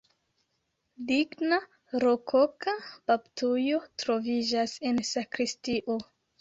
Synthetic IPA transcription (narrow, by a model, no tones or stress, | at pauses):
diɡna | ɾokʰokab̥aptujo̞tɾo̞vid͡ʒase̞nsakɾistiʔo̞